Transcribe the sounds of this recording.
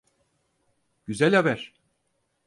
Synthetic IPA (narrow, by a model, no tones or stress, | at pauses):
ɟ̥yzælʲabæɾ̥